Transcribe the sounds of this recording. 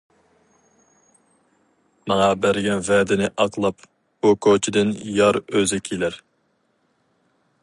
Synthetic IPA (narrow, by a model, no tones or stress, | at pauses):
mɑŋɑbæɾɡʲɛnvɛːd̪ɪnɪʔɑqlˠɑp | b̥ukʰot͡ʃʰid̪ɪnjɑɾøzɪkʲʰilæɾ